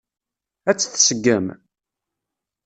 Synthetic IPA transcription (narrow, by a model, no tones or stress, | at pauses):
æt͡sːθsəɡːəm